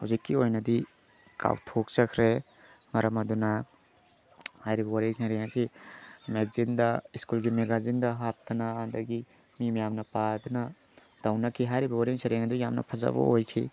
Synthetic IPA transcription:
huzikːiojnɐdi | kʰa̰wtʰok̚sɐkʰɾe | mɐɾɐmɐdunɐ | hajɾibɐwɐɾiŋseɾeŋɐsimeɡzind̪ɐiskulɡimeɡazindɐɦap̚t̪ʰɐnaːd̪ɐɡi | mimjamnɐpad̪unɐ | d̥ɐwnɐkʰiɦajɾibɐwɐɾiŋsɐɾeŋɐdujamnɐ̰pʰɐza̰bɐ̰ojkʰḭ

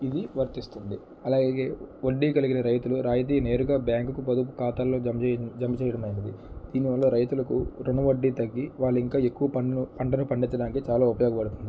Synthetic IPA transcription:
id̪iʋɐɾt̪ist̪und̪i | ɐlaːɡeɡe̞ːoɖːiːkɐliɡinɐɾɐjt̪uluɾaːjɐt̪̬iːne̞ːɾuɡaːbjaːŋkukupɐd̪upu̥kaːt̪aːlːo̞ːd͡ʒɐmːɐt͡ʃɛːjɐɽɐmɐjɐnɐd̪id̪̥iːniʋɐlːoːɾɐjt̪ulɐkṵɾunɐʋɐɖːiːt̪ɐɡːiʋaːɭːiŋkaːe̞kːuʋɐɐpɐɳʈɐnupɐɳɖit͡ʃːɐɽaːnikit͡ʃaːlaːupɐjoːɡɐpɐɽut̪und̪i

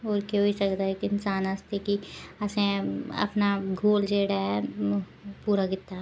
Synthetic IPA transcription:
oːɾkeoːisɐkd̪aekɪnsaːnast̪ekiɐsẽɐ̰pnaɡʱoːld͡ʒeːɽaɛ | puːɾaɡɪt̪ːa

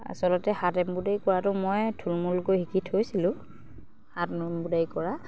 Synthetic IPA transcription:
a̰sɔlɔtɛhatɛmbudajkɔɹatʊmojtʰulmulkojhikitʰhojsilʊ̃ | hatmbudajkɔɹa

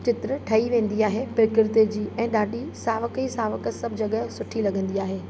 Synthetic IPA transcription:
t͡ɕɪt̪ɾəʈʰɐiʋẽːn̆d̪iaːɦepɪɾkɪɾt̪ed͡ʑiːʔɛ̃ːɗaːɗisaːʋəkisaːʋəkəsɐbʱɪd͡ʑɐɠəsʊʈʰilɐɠə̃nd̪iaːɦeː

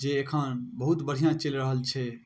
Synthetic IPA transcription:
d͡ʒeːkʰãnbəɦut̪bəɽ̤ijãt͡ʃəlɾəɦəlt͡ʃʰɛ

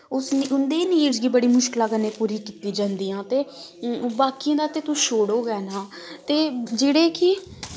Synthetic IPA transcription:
ʊsniʊnd̪eːniːɾd͡ʒɡiːbəɽiːmʊʃkəlaːɡəneːpuːɾiːkiːt̪iːd͡ʒãːnd̪iːãːt̪eː | baːkiãːd̪aːt̪eːt̪ʊʃoːɽoːɡɛːnaː | t̪eːd͡ʒeːɽeːkɪ

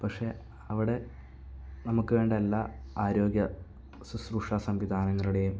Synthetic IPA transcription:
pɐkʂe̞ | ɐʋiɽe̞ | nɐmukːɨʋe̞ːɳɖelːaːaːɾo̞ːɡjɐ | susruːʂasɐmʋid̪ʱaːnɐŋːɐɭuɽe̞jum

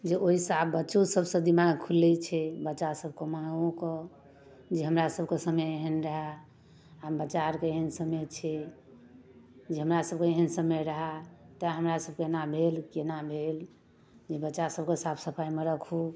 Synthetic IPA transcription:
d͡ʒeoɦisabbətːt͡ʃosəbsə̃d̪imaɡkʰulɛt͡ʃʰɛbətːt͡ʃasəbʱkemãũkɔ | d͡ʒeɦəmɾasəbʱkesəmeeɦənɾəɦa | abət͡ʃaɾkeeɦənsəmet̪t͡ʃʰɛ | d͡ʒeɦəmɾasəb̚keeɦənsəmeɾəɦat̪aɦəmɾasəb̚kenabʱelkenabʱel | d͡ʒebətːt͡ʃasəb̚ʱkesapʰsəpʰaimeɾəkʰu

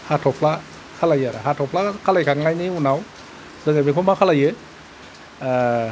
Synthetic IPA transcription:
hatʰɔpʰla | kʰalajaɾaɦatʰɔpʰlakʰalajkʰaŋajniunaw | z̥ɯŋɯmikʰɔmakʰalajɯ

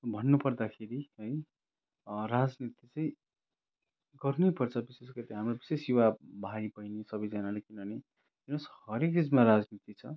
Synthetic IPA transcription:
bʱʌnːupʌrd̪akʰeɾiɦʌj | rad͡znit̪it͡sʌĩ | ɡʌrnejpʌrt͡sʰʌbisesɡʌt̪iɦamrobisesjuwabʱaipʌjnisʌbʌjd͡zanalekinʌʌne | kinʌshʌɾekrid͡zmaɾad͡znit̪it͡sʰʌ

